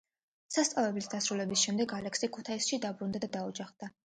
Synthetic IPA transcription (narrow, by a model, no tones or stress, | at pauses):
sast̪sʼavɛblisd̪asɾulɛbisʃɛmd̪ɛɡalɛksikʰut̪ʰaisʃid̪abɾund̪ad̪ad̪aud͡ʒaχd̪̥a